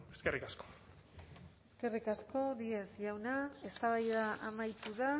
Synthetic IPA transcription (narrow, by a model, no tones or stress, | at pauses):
eskerikasko̥ | e̞ske̞rikasko̞ðiesʝawnae̞st̪aβajðaʔamajt̪uða